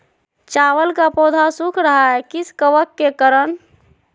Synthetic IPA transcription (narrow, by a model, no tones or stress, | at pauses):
t͡ʃawəlkapod̪ʱasukʰɾəɦaɛkiskəʋəkːekəɾən